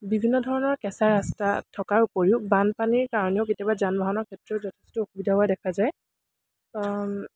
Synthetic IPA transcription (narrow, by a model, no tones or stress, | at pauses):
bibʱinːɔdʱɔɹɔnɔɹkɛsaɹastatʰːɔkaɹupoɹiʊbanpaniɹkaɹɔniɔʊketjabazanbʱaɦɔnɔɹkʰɛtɹɔzɔtʰɛstʊoxubidʱaɦɔadɛkʰazaj